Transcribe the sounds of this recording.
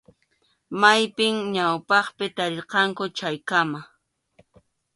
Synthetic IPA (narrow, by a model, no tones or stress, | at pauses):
majpɪŋɲawpɑχpɪt̪aɾɪɾqɑŋkʊt͡ʃajkama